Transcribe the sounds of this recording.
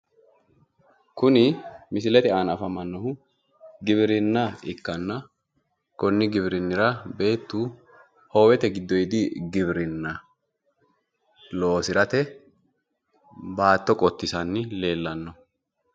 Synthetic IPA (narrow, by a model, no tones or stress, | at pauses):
kʊnɪmɪsɪlɛt̪ɪaːnɐfɐmɐnːɔhʊ | ɡɪβɪɾɪnːɐɪkːɐnːɐ | kɔnːɪɡɪβɾɪnːɪɾɐbe̞ːt̪ːuː | ho̞ːwɛt̪ɛɡɪd̪ːɔjd̪ɪɡɪβɪɾɪnːɐ | lo̞ːsɪɾɐt̪ɛ | baːt̪ːɔkʼɔt̪ːɪsɐnːɪle̞ːlːɐnːɔ